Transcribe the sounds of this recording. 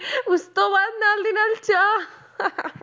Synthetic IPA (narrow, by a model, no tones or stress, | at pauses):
ust̪oʋad̪̚nald̪inalt͡ʃa